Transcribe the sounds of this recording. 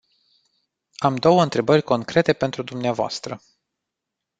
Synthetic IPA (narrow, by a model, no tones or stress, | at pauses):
amd̪o̞wəɨnt̪ɾe̞bərʲko̞ŋkɾe̞t̪e̞pe̞nt̪ɾud̪umneavoa̰st̪ɾə